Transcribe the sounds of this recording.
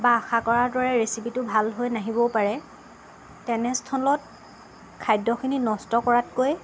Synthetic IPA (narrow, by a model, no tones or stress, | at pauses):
baːxakɔɹaɹdɔɹɛɹesipitʊbʱalɦojnaɦibɔpaɹɛ | tɛnɛstʰɔlɔt̚ | kʰajdɔkʰininɔstɔkɔɹatkoj